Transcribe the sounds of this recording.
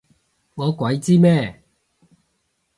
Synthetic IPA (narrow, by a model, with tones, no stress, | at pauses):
ŋɔ˨˧˦kwa˨˦jt͡siː˥mɛː˥˩˨